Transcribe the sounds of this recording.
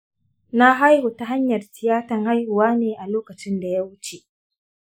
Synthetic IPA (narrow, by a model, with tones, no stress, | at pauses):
na˦ɦa˦jho˨ta˦ɦa˦ɲjɐ˨rtɪ˨jaː˦tɐ˨ŋha˦jhʊ˨waː˦neː˨ʔa˨loː˦kɐ˨t͡ʃɪ˦nda˨ja˦wʊ˦t͡ʃe˨ʔ